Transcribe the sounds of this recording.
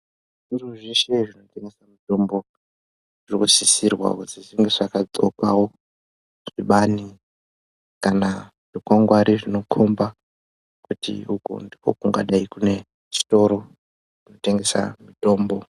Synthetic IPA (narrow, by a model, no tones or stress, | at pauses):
ʐ̥uruʐeʃe̞ʐino̞te̞ŋɡe̞samito̞mbo̞ | ʐirikusisirwa̰kut͡siziŋɡeʐakat͡so̞̰ka̰wo | ʐ̥iɓani | kana | ʐ̥ikwaŋɡwaɾiʐino̞kʰomba | kutḭukṵndiko̞̰kuŋɡa̰ɗaikune̞ | t͡ʃi̥to̞ɾo̞ | ʐ̥ino̞te̞ŋɡe̞sa̰mito̞ːmbo̞